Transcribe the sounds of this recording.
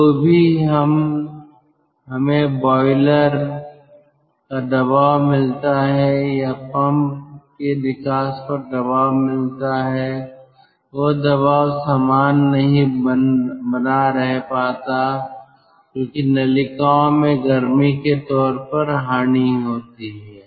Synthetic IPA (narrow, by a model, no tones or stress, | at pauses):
t̪oːbʱiɦɐm | ɦɐmẽbɔːɪləɾ | kad̪ɐbaːwmɪlt̪aɦɛjapɐ̃mpked̪ɪkaːspɐɾd̪ɐbaːʋmɪlt̪aɦɛː | ʋod̪ɐβaːwsaːmaːnːɐɦĩ | bɐnaɾɐɦpaːt̪a | kjõːkinɐlɪkaõmẽɡɐɾmiket̪ɔːɾpəɾɦaːniɦoːt̪iɦɛː